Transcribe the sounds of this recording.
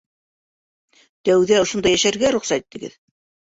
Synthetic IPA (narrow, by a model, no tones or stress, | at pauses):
t̪æwðæŏʃŏnd̪ɑjæʃæɾɡæɾuχsæt̪it̪ːɘ̆ɡɘ̰ð